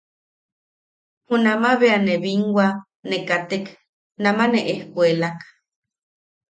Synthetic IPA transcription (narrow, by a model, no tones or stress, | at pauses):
hunamaβeaneβiŋɡwa | nekat̪ek | namaneʔehkwelak